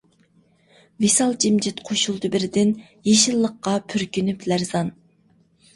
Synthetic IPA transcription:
visɑlˠd͡ʒimd͡ʒɪt̪qʰoʃulˠd̪ɨbɪɾɪd̪ɪn | jeʃilˠːəqːɑpʰyɾkʲynyplæɾzɑn

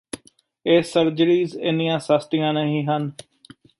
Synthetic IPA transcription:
eːsəɾd͡ʒəɾiːzɪ̰nijãːsəst̪ɪjãːnəɦĩːɦən

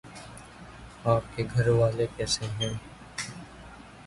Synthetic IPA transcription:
aːp̚keɡʱəɾʋaːlekɛːseɦɛ̃ː

